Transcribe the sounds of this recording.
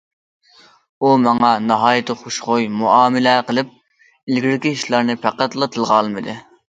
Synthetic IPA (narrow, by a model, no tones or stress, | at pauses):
umɑŋɑnɑɦɑːjɪt̪ʰɨχoʃχojmuʔɑːmɪlɛqəlˠɪp̚ | ɪlɡʲiɾɪkʲiiʃlˠɑɾnɨpʰæqːæt̪lˠɑt̪ʰɨlˠʁɑlˠmɨd̪ɨ